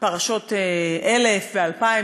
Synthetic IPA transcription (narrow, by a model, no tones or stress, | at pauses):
paʁaʃo̞teʔelefvealpai